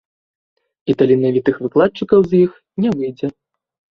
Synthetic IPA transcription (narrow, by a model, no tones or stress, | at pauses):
it̪alʲinavʲit̪ɨxvɨklˠat̪̚t͡ʂɨkɐwzʲjix | nʲɛvɨjd͡zʲɛ